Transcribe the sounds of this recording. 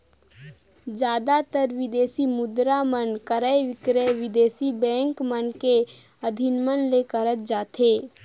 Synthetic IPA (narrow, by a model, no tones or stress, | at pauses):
d͡ʒjaːd̪at̪əɾʋɪd̪eːsimʊd̪ɾamənkəɾəeʋɪkɾəʋɪd̪eːsibɛ̃ːŋkmənke | əd̪ʱɪnmənlekəɾət̪̚d͡ʒaːt̪ʰeː